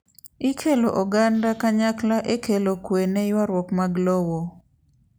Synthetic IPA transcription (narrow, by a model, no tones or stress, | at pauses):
ikʰeloʔɔɡandakaɲaklaʔekelokwenejwaɾwɔkmaɡlɔwo